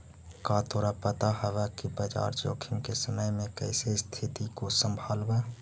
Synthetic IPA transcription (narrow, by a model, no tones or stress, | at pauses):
kaːt̪ʰoːɾapət̪aɦəʋɛkibəd͡ʒa̰ːɾt͡ʃo̰ːkʰɪŋkesəməjmẽkɛɪsest̪ʰɪt̪ikosə̃mbʱaːlbɛː